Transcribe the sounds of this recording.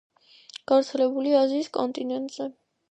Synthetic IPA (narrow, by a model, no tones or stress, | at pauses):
ɡ̥aɾt̪sʰɛlɛbuliaziːskʼɔnt̪ʼinɛnt̪ʼzɛ